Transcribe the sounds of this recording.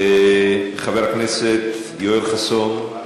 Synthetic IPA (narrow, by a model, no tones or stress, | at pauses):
χaveɾhaknɛset̪̚ | jojɾχason